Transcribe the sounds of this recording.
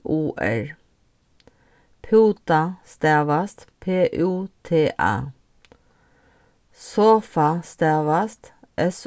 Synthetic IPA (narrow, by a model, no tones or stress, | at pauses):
ʔuːʔæ̰ɹ | pʰʉːt̪ɑst̪æːʋɑst̪pʰeːʔʉːt̪ʰeːʔæ̰ː | soːfɑst̪æːʋɑst̪ʔɛs